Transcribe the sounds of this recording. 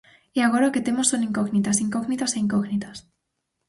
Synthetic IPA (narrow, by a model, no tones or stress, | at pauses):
iaɣ̞oɾake̞t̪e̞mosːo̞nĩŋkoɣnit̪asiŋkoɣnit̪aseiŋkoɣnit̪as